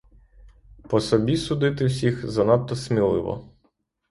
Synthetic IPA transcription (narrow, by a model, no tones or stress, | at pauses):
pɔsɔbʲisud̪ɪt̪ɪwsʲixzɐnɑt̪ːɔsmʲilˠɪ̰ʋɔ̰